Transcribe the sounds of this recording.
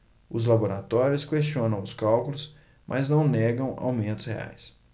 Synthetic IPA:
ʊzlaboɾat̪ɔɾjʊskest͡ʃiõnɐ̃w̃ʊskawkʊlʊs | mʔɐznɐ̃w̃nɛɡɐ̃w̃a̰wmẽnt̪ʊ̥shḛa̰js

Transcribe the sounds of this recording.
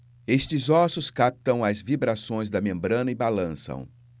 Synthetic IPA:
est͡ʃɪzɔsʊskap̚t̪ɐ̃w̃ɐzvibɾasõj̃zd̪ɐmẽmbɾɐ̃nɐɪbalɐ̃sɐ̰̃w̃

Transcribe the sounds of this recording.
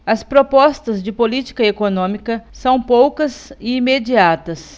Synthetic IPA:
ɐspɾopɔst̪ɐzd͡ʒɪpolit͡ʃi̥kɐekonõmikɐsɐ̃w̃powkɐzɪimed͡ʒiat̪ɐs

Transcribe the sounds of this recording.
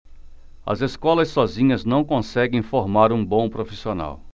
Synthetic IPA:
ɐ̰zeskɔlɐsːɔzĩɲɐznɐ̃w̃kõsɛɡẽj̃foɾmaɾũbõw̃pɾofisiona̰w

